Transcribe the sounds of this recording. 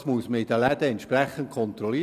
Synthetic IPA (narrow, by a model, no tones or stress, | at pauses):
smuəsməidəlæd̪əɛntʃprɛχənt̚kʰɔnt̪rɔliː